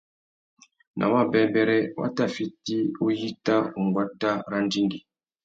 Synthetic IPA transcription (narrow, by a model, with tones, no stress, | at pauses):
nʔa̰˨wa˦˨bɛ˨bɛ˦ɾɛ˦wa̰˦ta˦˨fi˦ti˦o˦ji˦ta˦u˨ŋ˨ɡwa˦ta˦ɾa˦n˦di˦ŋɡi˨